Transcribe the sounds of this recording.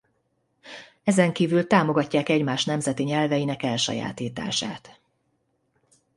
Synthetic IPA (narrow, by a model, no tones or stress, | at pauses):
ɛzɛŋkiːvylt̪aːmo̞ɡɒcːaːkɛɟmaːʃnɛmzɛt̪iɲɛlvɛjinɛkɛlʃɒ̰ja̰ːt̪iːt̪a̰ːʃa̰ːt̪